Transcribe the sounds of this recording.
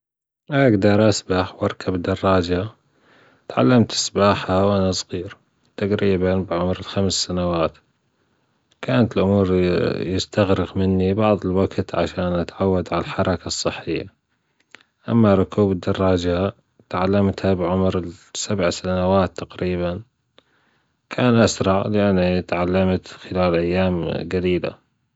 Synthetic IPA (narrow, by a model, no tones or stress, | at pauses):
ʔaɡd̪ɑɾˤʔasbaħwʔɑɾˤkʰabd̪ɑrˤːɑːd͡ʒa | t̪ʕa̰lːamt̪ʔɪ̥sbaːħawʔanasˤɣiːɾ | t̪aqɾiːbanbɪʕʊmɾɪlxamsːanawaːt̪ | kaːnat̪ɪlʔʊmuːɾjɪst̪aɣɾɪɣmɪnːibɑʕðˤɪlwaɡt̪ʕa̰ʃaːnʔat̪ʕawːad̪ʕalħɑɾˤɑkasˤːɨħːɪjːa̰ | ʔa̰mːaɾˤʊkʰuːbɪd̪ːɑrˤːɑːd͡ʒa | t̪ʕalːamt̪habɪʕʊmɾɪsabʕsanawaːt̪ːaqɾiːban | kʰaːnʔasɾˤɑʕlɪʔanːit̪ʕalːamt̪xɪlaːlʔajːaːmɡaɾiːla̰